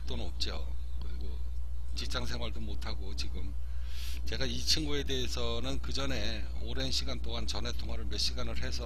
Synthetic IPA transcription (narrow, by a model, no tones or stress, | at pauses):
t͈onɯnʌp̚t͡ɕ͈io̰kɯɾiɡo | t͡ɕip̚t͡ɕ͈aŋsʰe̞ŋwaɭdomotʰaɡot͡ɕiɡɯm | t͡ɕe̞ɡait͡ɕʰɯnɡue̞de̞esʰʌnɯnkɯd͡ʑʌne̞ | oɾe̞nɕʰiɡant͈oŋɦant͡ɕʌnɦetʰoŋɦaɾɯɭme̞ɕ͈iɡanɯɭɦe̞sʰʌ